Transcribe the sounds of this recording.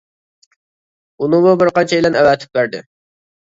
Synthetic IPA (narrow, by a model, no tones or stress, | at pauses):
unɨmubɪɾqɑnt͡ʃʰɛɪlɛnɛwæːt̪ʰɪ̥p̚bæɾd̪ɪ̰